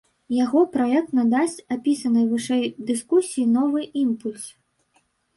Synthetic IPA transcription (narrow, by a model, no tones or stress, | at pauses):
jaɣɔpɾaɛk̚t̪nad̪asʲt͡sʲapʲisɐnɨjvɨʂɛjd̪ɨskusʲijinɔvɨʔimpulʲs